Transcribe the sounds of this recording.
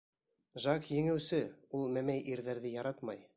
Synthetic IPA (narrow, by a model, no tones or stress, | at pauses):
ʒɑkjɘ̆ŋɘ̆wsɘulˠmæmæjʔiɾðæɾðɘjɑɾɑt̪mɑj